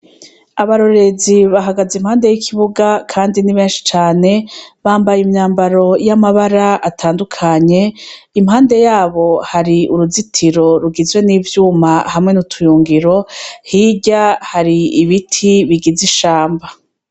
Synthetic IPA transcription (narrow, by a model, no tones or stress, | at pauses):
aβaɾo̞ɾe̞ziβaɦaɡazimhaːnde̞jikʰiβuɡakʰaːndiniβe̞ːnʃi̥t͡ʃaːne̞βaːmbajimɲaːmbaɾo̞jamaβaɾaatʰaːndukʰaɲe̞ | imhaːnde̞jaːβo̞haɾiuɾuzitʰiɾo̞ɾuɡizwe̞niːvjuːmahamŋe̞nutʰujuːŋɡiɾo̞hiɟahaɾiiβitʰiβiɡiziʃaːmba